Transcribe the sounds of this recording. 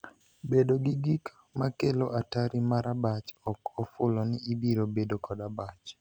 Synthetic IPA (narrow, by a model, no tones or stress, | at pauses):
bedoɡiɡik | makeloʔataɾimaɾabat͡ʃɔkɔfʊlɔnɪːbiɾobedokɔdabat͡ʃ